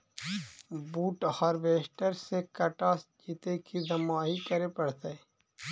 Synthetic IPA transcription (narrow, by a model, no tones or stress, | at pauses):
buːʈhəɾʋeːʃʈəɾsekəʈaːsd͡ʒiːt̪ekid̪ɐmaɦikəɾepəɽ̤t̪e